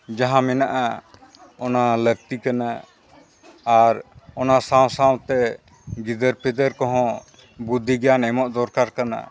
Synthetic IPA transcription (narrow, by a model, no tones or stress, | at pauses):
d͡ʒaɦãmɛnaʔa | ɔnalək̚t̪ikana | ɾɔnasãw̃saw̃t̪ɛ | ɡid̪əɾpɛd̪əɾkɔɦɔ̃ | bud̪ʱːiɡɛjanɛmɔʔd̪ɔɾkaɾkana̰